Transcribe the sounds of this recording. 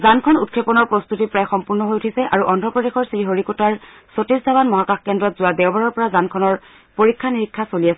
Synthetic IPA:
zankʰɔnut̚kʰepɔnɔɹpɹɔst̪utipɹajxɔmpuɹnɔɦojutʰisɛʔaɹuʔɔndʱɔpɹɔdexɔɹsiiɦoɹikutaɹ | sotisdʱaβanmɔɦakaxkɛndɹɔtzʊadɛwbaɹɔɹpɔɹazankʰɔnɔɹ | poɹikʰːaniɹikʰːasolijasɛ

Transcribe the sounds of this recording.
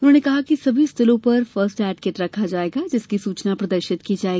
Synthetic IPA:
ʊnɦõːnekɐɦakisɐbʱist̪ʰɪlõpɐɾfəɾsʈɛːʈ̚keʈɾɐkʰad͡ʒaːeːɡad͡ʒɪskisuːt͡ʃnapɾɐd̪əɾʃɪt̪kid͡ʒaːeɡi

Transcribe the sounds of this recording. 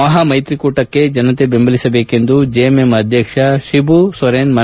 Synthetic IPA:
ɐɦɐmɐjt̪ɾikuːʈɐkːe̞d͡ʒɐnɐt̪ebembʱɐlisɐbeːke̞nd̪ud͡ʒeememɐd̪ʱjɐkʂɐʃibusɐɾenmɐ

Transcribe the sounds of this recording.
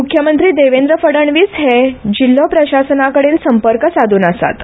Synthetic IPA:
mukʰjəmənt̪ɾiːd̪eʋend̪ɾəfəɽəɳʋiːsɦed͡ʑilːopɾəɕasənakəɽeːnsəmpəɾkəsad̪ʱuːnəsa̰t̪

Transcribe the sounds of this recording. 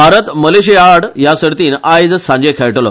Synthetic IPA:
bʱaɾət̪məleɕiaɽjasəɽt̪iːnajd͡zsãɲd͡ʑekʰɛɭʈlo̰

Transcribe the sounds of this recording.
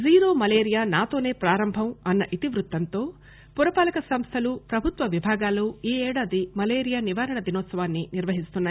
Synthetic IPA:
ziːɾo̞ːmɐleːɾijaːnaːt̪o̞ːneːpɾaːɾɐmbʱɐmɐnːɐʔit̪iʋɾut̪ːɐnt̪o̞ː | puɾɐpaːlɐkɐsɐmst̪ʰɐlupɾɐbʱut̪ʋɐʋibʱaːɡaːloːiːɛːɽaːd̪imɐleːɾijaːniʋaːɾɐɳɐd̪inɔːt̪sɐʋaːnːiniɾʋɐɦist̪unːaː

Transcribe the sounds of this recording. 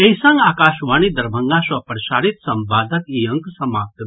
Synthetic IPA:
eisɐ̃ŋɡaːkaːʃʋaːñid̪ɐɾbʱɐ̃ŋɡaswɐpɾɐʃaːɾit̪sɐmbaːd̪ʱəkiɐ̃ŋksɐmaːp̚t̪

